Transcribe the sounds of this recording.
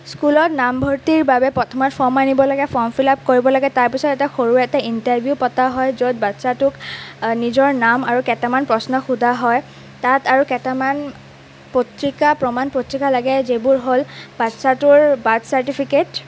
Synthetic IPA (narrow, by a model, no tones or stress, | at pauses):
skulɔtnambʱɔɹtiɹbabɛpɹɔtʰɔmɔtfʰɔmanibɔlaɡɛpʰɔmfʰilap̚koɹibɔlaɡɛtaɹpisɔtɛtaxoɹuɛtaintaɹbʱjupɔtaɦɔjzot̚batsatʊknizɔɹnamaɹukɛtamanpɹɔsnɔxudʱaɦɔj | tataɹukɛtaman | potɹikapɹɔmanpotɹikalaɡɛzebʊɹɦolbatsatʊɹbadsaɹtipʰiket